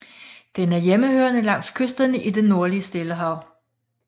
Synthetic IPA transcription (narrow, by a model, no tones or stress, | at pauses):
d̥enæɐjeməhøːɐnəlɑ̈ŋ̰skʰøsd̥ɐnəʔid̥enːo̝ɐliəsd̥e̝ləɦɑ̈ʊ̰